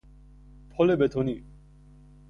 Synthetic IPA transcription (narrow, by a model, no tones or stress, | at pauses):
pʰɔlebet̪ʰoni